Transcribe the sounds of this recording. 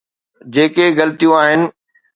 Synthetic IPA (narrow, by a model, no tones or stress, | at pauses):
d͡ʑeːkeɣɐlt̪ijũaːɦɪnɪ̆